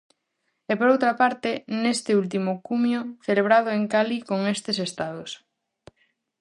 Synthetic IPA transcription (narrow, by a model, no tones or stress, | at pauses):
epoɾowt̪ɾapaɾt̪enest̪eult̪̬imokumjoθeleβ̞ɾað̞oeŋkalikoŋest̪esest̪aðos